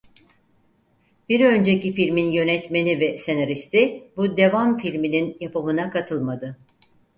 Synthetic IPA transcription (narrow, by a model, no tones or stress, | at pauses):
b̥iɾø̞nd͡ʒecifilʲminjø̞nɛt̪me̞nivɛse̞naɾist̪ʰibud̪e̞vamfilʲmininjapamɯnakat̪ʰɯlˠmad̪ɯ